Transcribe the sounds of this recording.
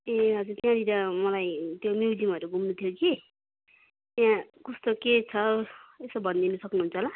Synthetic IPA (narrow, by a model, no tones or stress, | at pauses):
eɦʌd͡zuɾt̪jãd̪iɾʌmʌlajt̪jomjuwd͡zimʌɾuɡʱumnut̪ʰjoki | t̪jãkʌst̪oket͡sʰʌesʌbʱʌnd̪inʌsʌknuɦunt͡sʰʌɦla